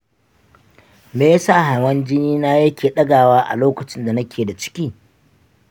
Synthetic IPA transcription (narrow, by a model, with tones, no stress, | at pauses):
meː˦ja˦saː˦˨ɦa˨wɐ˦nd͡ʒɪ˦niː˦naː˦jɐ˦kʲeː˨ɗɐ˦ɡaː˨waː˦ʔa̰˨loː˦kɐ˨t͡ʃɪ˦nda˨nɐ˦kʲeː˨da˨t͡ʃɪ̥˦kʲiː˦